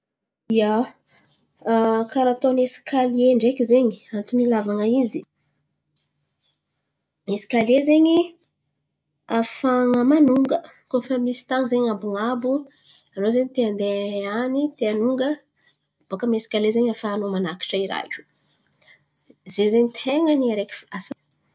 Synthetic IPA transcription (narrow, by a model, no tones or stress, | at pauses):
ija | kaɾat̪onesi̥kalieɳɖ͡ʐekizeɲiant̪umilavaŋəizi | mesi̥kalezeɲi | afaŋəmanuŋɡəkofamisi̥t̪aŋzeɲabuŋabu | anozeɲit̪eand̪eanit̪eanuŋɡə | b̥okəmesi̥kʲalezeɲafaːnomanaki̥ʈ͡ʂaiɾa̰kʲu̥ | zezeɲit̪ʰeŋəniaɾekʲi̥fasa